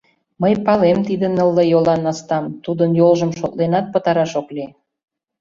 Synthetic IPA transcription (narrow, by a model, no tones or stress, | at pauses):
məjpɑlemt̪id̪ənəlːəjolɑnɑst̪ɑmt̪ud̪ənjolʒəmʃot̪lenɑt̪̚pət̪ɑɾɑʃokle